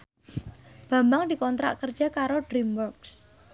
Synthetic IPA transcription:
b̥a̤mbaŋd̪ikɔnt̪ɾa̰ʔkərd̥d͡ʒ̥a̤kaɾoɖɾimwɔrks

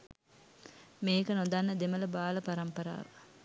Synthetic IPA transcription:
meːkənod̪anːəd̪emələbaːləpaɾɐmpəɾa̰ːʋə

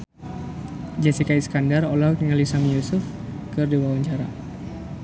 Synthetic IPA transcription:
d͡ʒɛsikaisə̥kandarolatiŋalisamjusʊf | kɨrdiwawaɲt͡ʃaɾa̰

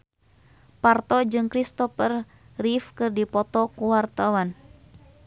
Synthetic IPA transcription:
part̪ɔd͡ʒɨŋkɾist̪ɔfər | rifkɨrdipɔt̪ɔkuwart̪awan

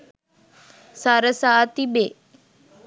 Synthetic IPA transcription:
saɾəsaːt̪ibe

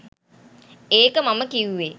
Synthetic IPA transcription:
eːkəmaməkiwuʋe

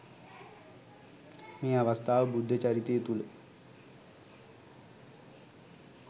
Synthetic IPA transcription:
meːaʋast̪ʰaːʋəbud̪ʱːət͡ʃaɾit̪eːt̪ulə

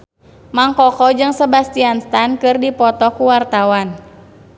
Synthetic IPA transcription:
maŋkɔkɔd͡ʒɨŋsəbast̪ianst̪ankɨrdipɔt̪ɔkuwart̪awan

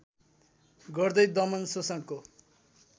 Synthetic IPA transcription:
ɡʌrd̪ʌjd̪ʌmʌnsosaʈko

